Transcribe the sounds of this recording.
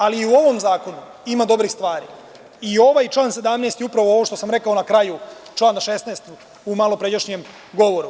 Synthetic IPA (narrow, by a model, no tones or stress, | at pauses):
aliːuo̞ʋo̞mzaːko̞nu | imad̪o̞bɾixst̪ʋaːɾḭ | io̞ʋajt͡ʃlˠaːnse̞d̪amneːst̪iupɾaʋo̞oʋoʃt̪osamɾe̞kao̞nakɾajut͡ʃlˠaːnaʃesneːst̪ | umalo̞pɾed͡ʑoʃɲem | ɡo̞ʋo̞ɾu